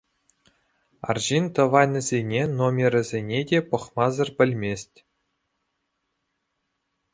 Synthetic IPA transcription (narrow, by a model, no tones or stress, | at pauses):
ɑ̰rʑint̪ɤ̆vɑjnʲɤ̆zʲenʲenomʲerʲɘ̆zʲenʲedʲepɤ̆χmɑzɤ̆rbʲɘ̆lʲmʲesʲtʲ